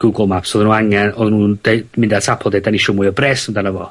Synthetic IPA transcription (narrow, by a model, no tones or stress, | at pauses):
ɡ̥uɡɔmapsɔðnunaŋɛnɔðnundejdmɪndatʰapʰɔdejdanɪʃɔmuɨɔbrɛsɔndanavɔ̰